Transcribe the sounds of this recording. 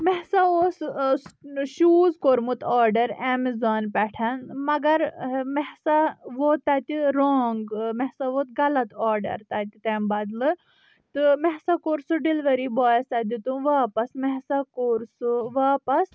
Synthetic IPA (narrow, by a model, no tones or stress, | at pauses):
mɛɦsaoːs | ʃuːzkoɾmut̪ɔːɾɖɐɾeːmizaːnpɛʈʰɐnmɐɡɐɾmɛɦsaʋot̪ɐt̪ʲiɾoːŋɡmɛɦsaʋot̪ɡɐlɐt̪ɔːɾɖɐ̰ɾt̪ɐt̪it̪eːmbɐd̪lɨ | t̪ɨmɛɦsakoːɾsuɖilʋɐɾiːbɔːjst̪ɐd̪it̪uʋaːpɐsmɛɦsakoːɾsuʋaːpɐs